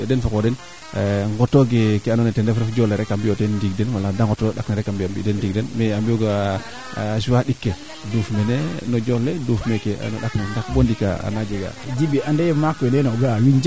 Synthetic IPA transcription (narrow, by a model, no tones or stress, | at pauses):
denfokoden | ŋɡɔtoɡekeanɔnetendefɾefd͡ʒoleɾɛkambijotediɡdenwaladaŋɡɔtoɗakneɾɛkambiambḭdendiɡ̚denmeambijoɡa | suwaɗikːe | dufmenenɔd͡ʒolːedufmekea̰no̰ɗaknendakbondika̰a̰nad͡ʒeɡa̰d͡ʒibiʔandejmakenenoɡawiɲd͡ʒ